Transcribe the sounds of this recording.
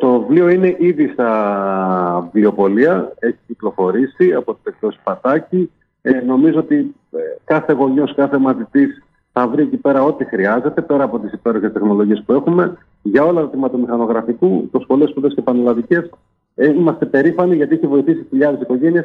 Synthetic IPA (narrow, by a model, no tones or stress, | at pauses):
t̪o̞vlioine̞ʔiðist̪ɐ | vlio̞po̞liɐe̞çi̥ciklo̞fo̞ɾisiɐpo̞t̪ibek̚t̪o̞si̥pɐt̪ɐci | eno̞mizoo̞t̪i | kɐθe̞ɣo̞ɲo̞skɐθemɐt̪it̪is | θɐvɾie̞cipe̞ɾɐo̞t̪ixɾiɐze̞t̪e̞pe̞ɾɐːpo̞t̪isipe̞ɾo̞çest̪e̞xno̞lo̞ʝie̞spue̞xume̞ | ʝɐo̞lɐtɾot̪imɐt̪omixɐno̞ɣɾɐfikut̪osxo̞lespuðe̞scepɐnolɐðice̞s | eimɐst̪e̞pe̞ɾifɐniʝɐt̪içevo̞iθisçiʎɐðe̞siko̞ʝe̞niɐs